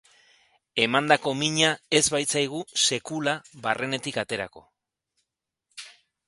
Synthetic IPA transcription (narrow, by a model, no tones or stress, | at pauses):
e̞mand̪ako̞miɲae̞zβajt͡sajɣ̞use̞kulaβarʔe̞ne̞t̪ikat̪e̞ɾa̰ko̞̰